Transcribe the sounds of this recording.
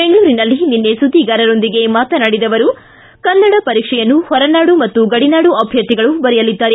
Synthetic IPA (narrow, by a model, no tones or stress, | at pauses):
beŋɡɐɭuːɾinɐlːininːe̞sud̪iɡaːɾɐɾo̞nd̪iɡe̞maːt̪ɐnaːɽid̪ɐʋɐɾu | kɐnːɐɽɐpɐɾiːkʂɛjɐnːuhɔɾɐnaːɽumɐt̪ːuɡɐɽinaːɽuɐbʱjɐt̪ːiɡɐɭubɐɾɛjɐlid̪ːaːɾe